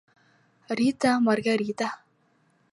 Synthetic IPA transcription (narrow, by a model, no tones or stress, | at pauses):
ɾit̪amarɡaɾit̪a